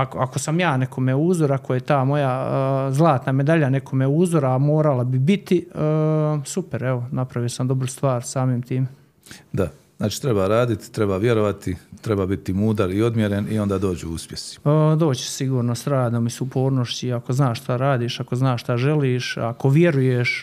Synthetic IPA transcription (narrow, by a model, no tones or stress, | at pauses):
akoako̞samjaːne̞ko̞meuːzoɾakoje̞t̪aːmo̞jazlˠaːt̪name̞d̪aʎane̞ko̞meuːzoɾaːmo̞ːɾalabibit̪iəːsupeɾeʋo̞napɾaʋiosamd̪obɾust̪ʋaːɾsaːmiːmt̪iːme | d̪aznaːt͡ʃi̥t̪ɾe̞baɾaːd̪it̪i̥t̪ɾe̞baːʋjeɾo̞ʋat̪it̪ɾe̞baːbit̪imuːd̪aɾio̞d̪mjeɾenio̞nd̪aːd̪o̞ːd͡ʑuṵspʲjesi̥əd̪o̞ːt͡ɕe̥siɡuːɾnosɾaːd̪omisupʰo̞ːɾnoʃt͡ɕiako̞znaːʃst̪aɾaːd̪iːʃakoznaːʃʃt̪aʒe̞liːʃako̞ʋjeɾujeʃ